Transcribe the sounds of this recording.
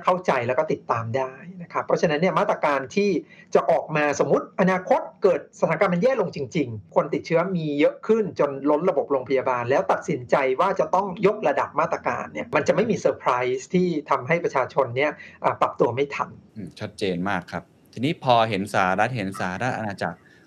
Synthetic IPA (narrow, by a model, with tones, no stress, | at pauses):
kʰa˥˩wt͡ɕa˧jlɛː˦˥wkɔː˥˩t̪i˨˩t̪ːaː˧mdaː˥˩jna˦˥kʰa˦˥pʰːɔ˦˥t͡ɕʰa˧na˦˥nːi˥˩ɐmaː˥˩t̪ːɾa˧kaː˧nt̪ʰiː˥˩t͡ɕa˨˩ʔɔː˨˩k̚maː˧so˩˦mːu˦˥t̪̚ʔa˧naː˧kʰo˦˥t̪̚kɤː˨˩t̪̚sa˧t̪ʰaː˨˩˦kaː˧ma˧njɛː˥˩lo˧ŋt͡ɕi˧ŋt͡ɕi˧ŋkʰo˧nt̪i˨˩t̪̚t͡ɕʰɯ˦˥ɐmiː˧jɤ˦˥ʔkʰɯ˥˩nt͡ɕo˧nlo˦˥nɾa˧bo˨˩p̚ɾoː˧ŋpʰa˧jaː˧baː˧nlɛː˦˥wt̪a˨˩t̪̚si˨˩˦nt͡ɕa˧jwaː˥˩t͡ɕa˨˩t̪ɔ˥˩ŋjo˦˥k̚ɾa˧da˨˩p̚maː˥˩t̪ɾa˧ka̰ː˧nːi˥˩ɐma˧nt͡ɕa˨˩ʔma˥˩jmiː˧sɤː˧pʰɾa˦˥jst̪ʰiː˥˩t̪ʰa˧mɦa˥˩jpɾa˧t͡ɕʰaː˧t͡ɕʰo˧nːi˥˩ɐʔaː˨˩pɾa˨˩p̚t̪u˧ɐma˥˩jt̪ʰa̰˧nʔɯː˨˩t͡ɕʰa˦˥t̪̚t͡ɕeː˧nmaː˥˩kʰɾa˦˥p̚t̪ʰiː˧niː˦˥pʰɔː˧ɦe˩˦nsaː˩˦ɾa˦˥t̪̚ɦe˩˦nsaː˩˦ɾa˦˥t̪̚ʔa˧naː˧t͡ɕa˨˩k̚